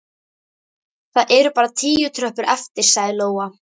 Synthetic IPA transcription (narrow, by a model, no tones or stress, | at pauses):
θaðʔɛɾʏpaːɾat̪ʰiːjʏt̪ʰɾœhpʏɾɛft̪ɪɾ̥saːjðɪloːwa